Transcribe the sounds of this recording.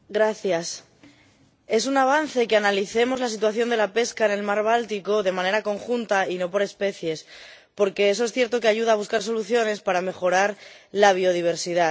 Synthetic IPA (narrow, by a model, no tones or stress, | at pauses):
ɡɾaθjas | e̞s̬unaβ̞an̟θe̞keanaliθe̞mo̞zlas̬it̪̬waθjo̞nd̪e̞lape̞skaene̞lmaɾβ̞alt̪iko̞ðe̞mãne̞ɾako̞ŋxunt̪aino̞po̞ɾe̞spe̞θje̞spo̞ɾke̞es̬oesθje̞ɾt̪o̞ke̞aʝuð̞aːβ̞uskaɾs̬o̞luθjo̞ne̞spaɾame̞xo̞ɾaɾlaβ̞io̞ðiβ̞e̞ɾsiða